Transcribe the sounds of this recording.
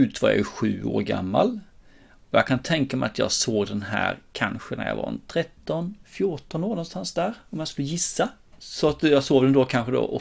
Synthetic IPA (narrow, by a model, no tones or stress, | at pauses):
ʉ̟ːt̪vɑja̰ɛɧʉ̟ːoːɾɡa̰mːal | ɔjɑkʰant̪ʰɛŋkamɛjat̪ʰjɑ̰ːɡsoːɡd̪ɛnɦæ̰ːɾkʰanɧənæ̰ɾjɑ̰va̰ɾ̰nt̪ʰɾɛt̪ːɔnfjʊʈɔnoːɾnɔnst̪ansd̪æːɾɔmjaskɵlːəjɪsːa | sɔat̪jɑːɡsoːvd̪ɛnd̪oːkʰanɧəd̪o̰ːʔɔ